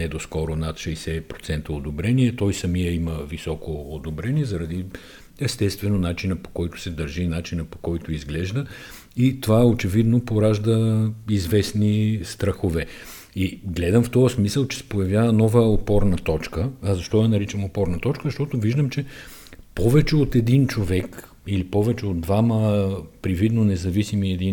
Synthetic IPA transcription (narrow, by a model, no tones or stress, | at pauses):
nɛd̪oskɔɾʊnat̪ʃɛjsɛpɾot̪sɛnt̪əod̪obɾɛniɛt̪ɔjsɐmijəiməvisɔkoːd̪obɾɛniɛzɐɾɐd̪i | ɛst̪ɛst̪vɛnonat͡ʃinəpo̥kɔjt̪ʊ̥sɛd̪ɐɾʒinat͡ʃinəpo̥kɔjt̪ʊizɡlɛʒd̪ə | it̪ovaɛot͡ʃɛvid̪nopoɾaʒd̪əizvɛsnist̪ɾɐxovɛ | iɡlɛd̪ɐmft̪ɔəsmisəlˠt͡ʃɛ̥sɛ̥pojɐvʲjavɐnɔvəopɔɾnət̪ɔt͡ʃkəzɐʃt̪ɔjɐnɐɾit͡ʃɐmopɔɾnɐt̪ɔt͡ʃkəzɐʃt̪ɔt̪ʊviʒd̪əmt͡ʃɛ | pɔvɛt͡ʃɛot̪ɛd̪int͡ʃovɛk | ilipɔvɛt͡ʃɛod̪̚d̪vaməpɾivid̪nonɛzɐvisimiɛd̪in